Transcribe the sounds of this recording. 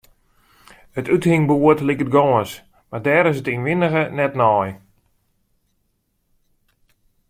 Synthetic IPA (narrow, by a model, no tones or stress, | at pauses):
ətythɪŋbuətlikət̚ɡɔːəns | mardɛːɾɪsətinʋɪnəɣənɛtnɔj